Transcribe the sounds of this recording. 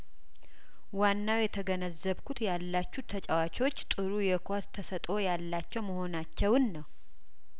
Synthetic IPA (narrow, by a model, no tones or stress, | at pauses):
wanːawjɛt̪ʰəɡənəzːəβkʰut̪jalːat͡ʃːut̪ʰːət͡ʃʼawat͡ʃot͡ʃːt̪ʼɨɾujɛkʰʷast̪ʰəsət̪ʼo̞jalːat͡ʃːɛwməho̞nat͡ʃːɛwɨnːəw